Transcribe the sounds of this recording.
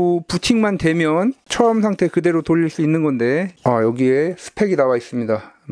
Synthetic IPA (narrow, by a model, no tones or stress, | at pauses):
put͡ɕʰiŋmantwe̞mjʌnt͡ɕʰʌʌmsʰaŋtʰe̞kɯde̞ɾotoʎːiɭs͈uinːɯnɡʌnde̞ajʌɡie̞sʰɯ̥pʰe̞ɡinawais͈ɯmɲida